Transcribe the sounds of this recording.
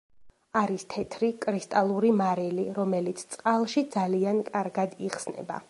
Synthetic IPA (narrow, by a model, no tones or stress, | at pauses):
aɾist̪ʰɛt̪ʰɾikʼɾist̪ʼalˠuɾimaɾiliɾɔmɛlit̪sʰt̪sʼqʼalˠʃid̪zaliankʼaɾɡad̪iχsnɛ̰ba̰